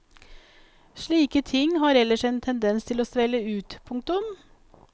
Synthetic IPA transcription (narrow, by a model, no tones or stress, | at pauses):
ʂɭiːkət̪ʰɪŋːhɑːɾɛləʂɛnt̪ʰɛnd̪ɛnst̪ʰɪloːsʋɛləʉːt̪pʰʊŋk̚t̪ʊm